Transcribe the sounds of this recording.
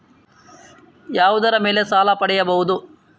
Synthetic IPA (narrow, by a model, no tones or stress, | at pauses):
jaːʋud̪ɐɾɐmeːle̞saːlɐpɐɽɛjɐbɐɦud̪u